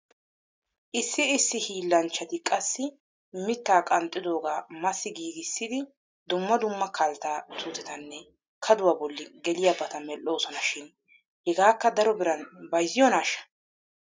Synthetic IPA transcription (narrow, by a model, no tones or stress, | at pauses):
ʔɪsːɪɪsːɪhiːlːɐnt͡ʃːɐt̪ɪkʼɐsːɪ | mɪt̪ːaːkʼɐnt̪ʼːɪd̪o̞ːɡaːmɐsːɪɡiːɡɪsːɪd̪ɪ | d̪ʊmːɐd̪ʊmːɐkʰɐlt̪aːt̪ʊːt̪ɛt̪ɐnːɛ | kʰɐd̪ʊwaːbɔlːɪɡɛlɪjɐbɐt̪ɐmɛlːo̞ːsɔnɐʃɪn | hɛɡaːkːɐd̪ɐɾɔbɪɾɐnbɐjzɪjɔnaːʃɐ̥